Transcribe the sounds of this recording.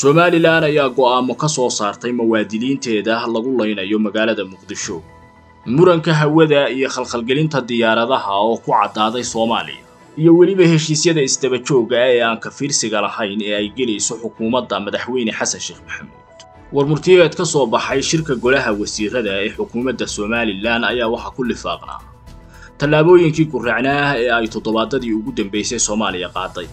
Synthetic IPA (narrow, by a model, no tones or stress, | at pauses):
sɔmaːlɪlaːnɐjaːɡɔaːmɔkʰɐsɔːsaːrt̪ʰɛjmɐwaːd̪ɪliːnt̪ʰɛːðɐlɐɣʊlɐjnɐjɔmɐɣaːlɐðɐmʊqd̪ɪʃɔ | mʊɾɐŋkʰɐɦɐwɐðɐijɔχɐlxɐlɡɛlɪnt̪ʰɐd̪ɪjaːɾɐðɐɦɐɔːkʰʊʕɑ̰d̪aːðɛjsɔːma̰ːlɪ̰jɐ̰ | ijɔwɐlɪβɐhɛʃiːsjɐðɐɪsd̪ɐβɐt͡ʃɔːɣɐɛːaːŋkʰɐfiːrsɪɣɐlɐhɐjnɛːɛjɡɛlɛjsɔħʊkʰuːmɐd̪ːɐmɐðɐħwɛjnɛħɑsɐnʃɛːχmʊħɑmṵːd̪̥ | wɐrmʊrt̪ʰɪjɛːd̪kʰɐsɔːbɑħɑjʃɪrkʰɐɡɔlɐɦɐwɑsiːrɐðɐɛːħʊkʰuːmɐd̪ːɐsɔːmaːlɪlaːnɐjaːwɑħɑkʰʊlɪfɑ̰ːqna̰ː | t̪ʰɐlːaːβɔːjɪŋkʰiːɡʊraʕnaːɛːɛjt̪ʰɔd̪ɔβaːd̪ɐðiːʊɣʊd̪ɐmbɛjsɛjsɔːmaːlɪjɐqɑ̰ːd̪ɛj